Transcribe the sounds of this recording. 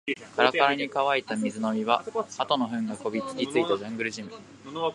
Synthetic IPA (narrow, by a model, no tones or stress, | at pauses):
kaɾakaɾaɲ̟ikaβait̪amʲizɨno̞mʲiβaat̪o̞no̞ɸɯ̟̃ŋɡako̞bʲikʲi̥kʲit͡sɨit̪aʑãŋɡɯ̟ɾɯ̟ʑimɯ̟